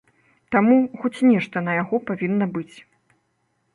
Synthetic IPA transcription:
t̪amuxɔt͡sʲnʲɛʂt̪ɐnɐjaɣɔpavʲinːɐbɨt͡sʲ

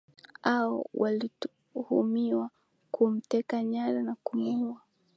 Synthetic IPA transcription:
aɔ̰wʔaliu | humiwa | kʰum̩tɛkaɲaɾanakumuua

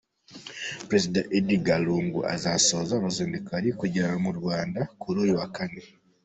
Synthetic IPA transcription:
pɾezidaʔediɡaluːŋɡṵʔa̰zasozaːβaziːndikaɾikuɟaaɾamuɾwaːndakuɾuːjiwakane

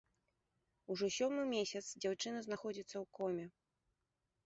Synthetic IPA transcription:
uʐɔsʲɔmɨmʲesʲɐt̪sd͡zʲawt͡ʂɨnɐznaxɔd͡zʲit̪sːɐwkɔmʲɛ

